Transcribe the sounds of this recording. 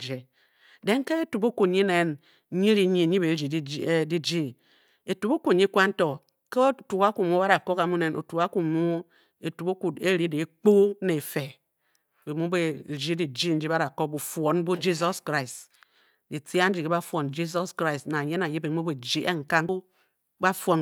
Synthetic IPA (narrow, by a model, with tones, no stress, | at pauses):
d͡ʒe˨ | de˦ŋ˦ke˦e˦tu˨bo˦ku˨ɲi˦ne˦n˦ | ɲi˦ɾi˨ɲi˦˨ɲi˦be˨˦d͡ʒi˨˦di˦d͡ʒi˦ | e˨tu˨bo˦ku˨ɲi˦kʷa˦n̩˦to˨ | ke˦tu˨ka˦ku˨mu˦ba˦a˨ko˦ka˨mu˦ne˨nʔo̰˨tu˨ka˦ku˨mu˦ | e˨tu˨bo˦ku˨e˦ɾi˦de˨˦k͡po˦ne˨fe˨ | be˨mu˦be˨d͡ʒi˦di˨d͡ʒi˦n̩˦d͡ʒi˦ba˦ɾa˨ko˦k̚bu˨fwo˨˦n˦bu˦d͡ʒi˦zɔ˦skɾa˦i˨s | di˨ti˦a˦n̩˦d͡ʒi˨ke˦ba˦fʷo˨nd͡ʒi˦sɔ˦skɾa˦i˨sna˨ɲe˦na˨ji˦be˨mu˦be˨d͡ʒi˦ʔe˦ŋ̩˨ka˦ŋ˦ | ba˦fwo˨n